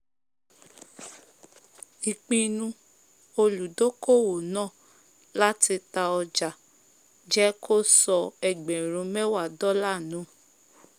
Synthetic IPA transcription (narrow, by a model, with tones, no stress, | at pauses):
i˨k͡pĩ˧nũ˧ | o˧lu˨do˦ko˦˨wo˨nãː˦˨ | la˦ti˧ta˧ɔ˧d͡ʒa˨ | d͡ʒɛ˦ko˦sɔ˧ɛ˨ɡ͡bɛ̃˨ɾ̃ũ˧˦mɛ˦wa˦˨dɔ˦la˦˨nũ˨˦